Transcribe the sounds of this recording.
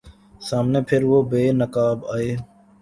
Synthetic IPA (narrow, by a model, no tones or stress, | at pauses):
saːmneːpʰɪɾʋoːbeːnəkaːbaːeː